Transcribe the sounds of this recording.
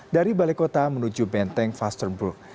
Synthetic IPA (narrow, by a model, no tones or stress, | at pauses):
daɾibalekot̪amənud͡ʒubɛnt̪ɛŋfast̪ərnburk̚